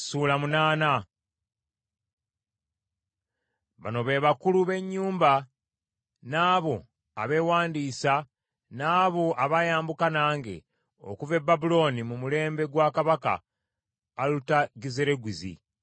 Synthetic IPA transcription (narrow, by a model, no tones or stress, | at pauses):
sulamunaːna | βa̰no̞βe̞ːβakuluβe̞ɲːuːmba | naːβo̞ | aβe̞ːwaːndiːsa | naːβo̞ʔaβajaːmbukanaːŋɡe̞̰ | o̰kuve̞bːabulo̞nimumule̞ːmbe̞ɡwakaβaka̰ː | lutaɡizeɾe̞ɡwizḭ